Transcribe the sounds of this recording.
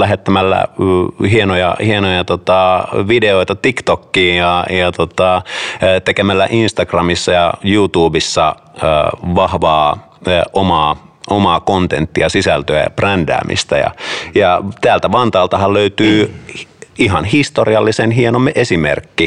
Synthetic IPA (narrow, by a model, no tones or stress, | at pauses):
læɦet̪ːæmælːæ̰hienojɑ̰hienojɑt̪ot̪ɑʋideoit̪ɑt̪ikt̪okːiːjɑjɑt̪ot̪ɑt̪ekemælːæ̰ʔinst̪ɑɡrɑmisːɑjɑjut̪uːbisːɑ | ə̰ʋɑhʋɑː | ʔomɑː | ʔomɑːkont̪ent̪ːiɑsisælt̪øæ̰jɑ̰prændæ̰ːmʔḭst̪æ̰jɑ̰jɑt̪æːlt̪æʋɑnt̪ɑːlt̪ɑɦɑlløyt̪yː | iɦɑnhist̪oriɑlːisenɦienomːeʔesimḛrkːi